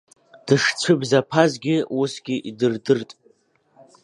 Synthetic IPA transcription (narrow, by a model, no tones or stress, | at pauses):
d̥ɨʂt͡sʷʰɨbzapʰazɡʲɪusɡʲɪʔidɨrdɨrtʼ